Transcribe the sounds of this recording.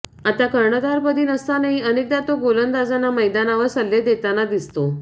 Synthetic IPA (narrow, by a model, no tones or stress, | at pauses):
at̪akəɾɳəd̪aɾpəd̪ʱiːnəst̪anaɦiənek̚d̪at̪oɡolənd̪ad͡zanaməjd̪anaʋəɾsəlːed̪et̪anad̪ist̪o